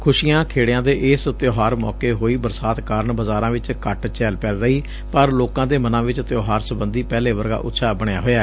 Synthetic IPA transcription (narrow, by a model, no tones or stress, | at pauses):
kʰʊʃiːãːkʰeːɽejãːd̪eːʔɪst̪joːɦaːɾmɔ̰ːkeːɦoːiːbəɾsaːt̪kaːɾəɳbəzaːɾãːʋɪt͡ʃkəʈt͡ʃɛːlpɛːlɾəiː | pəɾloːkãːd̪eːmənãːʋɪt͡ʃt̪joːɦaːɾsəbənd̪iːpɛːleːʋəɾɡa̰ːʔʊ̰t̪ːʃʰaːbəɳja̰ːɦoːjaː